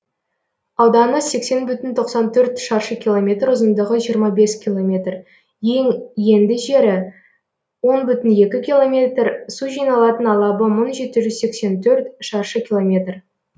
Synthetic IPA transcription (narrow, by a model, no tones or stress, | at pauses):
ɑwd̪ɑnəse̞kse̞nbʏt̪ɪnt̪ʰo̞qsɑnt̪ʰɵɾt̪ʃɑɾʃəkʲʰilˠomʲe̞t̪rʊzənd̪əʁəʒijəɾmɑbe̞skʲʰilˠo̞mʲe̞t̪r | jeŋje̞nd̪ɪʒe̞ɾɪ | wo̞nbʏt̪ɪnje̞kʲɪkʲilˠo̞mʲe̞t̪rsuʒijnɑlˠɑt̪ənɑlˠɑbəmənʒe̞t̪ɪʒʏzse̞kse̞nt̪ʰɵɾt̪ʃɑɾʃəkʲilˠo̞mʲe̞t̪r